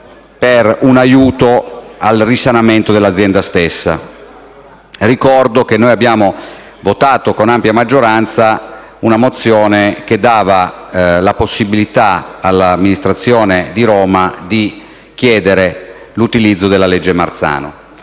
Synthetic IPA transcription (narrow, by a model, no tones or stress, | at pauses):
perunajuːt̪oalrisanament̪od̪elːad̪zjɛnd̪ast̪esːa̰ | rikɔrd̪okenːojabːjaːmo | vot̪aːt̪okonampjamad͡ʒːoɾant̪sa | unamot̪sːjoːneked̪ːaːvalaposːibilit̪aalːamːinist̪ɾat̪sːjoːned̪iɾɔːmad̪i | k̟jɛːd̪eɾe | lut̪ilid̪zːod̪elːaled͡ʒːema̰rt̪sa̰ːno̰